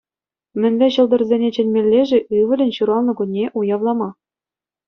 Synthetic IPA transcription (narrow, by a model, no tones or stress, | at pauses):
mʲɘ̆nʲʋʲɘ̆ɕɤ̆lˠd̪ɤ̆rzʲenʲet͡ɕɘ̆nʲmʲelʲːeʐɘ̆ʔɯʋɘ̆lʲɘ̆nʲɕuɾɑlˠnɤ̆kunʲːeʔujɑʋlˠɑmɑ